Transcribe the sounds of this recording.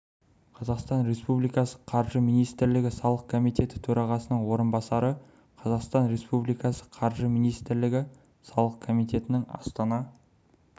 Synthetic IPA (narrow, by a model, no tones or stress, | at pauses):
qʰɑzɑqst̪ɑnɾe̞spublijkɑsə̥qʰɑɾʒəminijst̪ɪɾlɪɡʲɪsɑlˠəq̚kʰomijt̪e̞t̪ɪ̥t̪ʰɵɾʔɑʁɑsənəɴwo̞ɾənbɑsɑɾə | qʰɑzɑqst̪ɑnɾe̞spublijkɑsə̥qʰɑɾʒəmijnijst̪ɪɾlɪɡʲɪ | sɑlˠəq̚kʰo̞mijt̪e̞t̪ɪnɪŋɑ̰st̪ɑnɑ